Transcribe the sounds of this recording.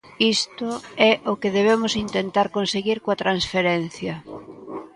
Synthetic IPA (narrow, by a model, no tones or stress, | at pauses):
ist̪ʊɛʔʊkeðeβemʊsint̪ent̪aɾkonseɣiɾkoat̪ɾansfeɾen̟θjɐ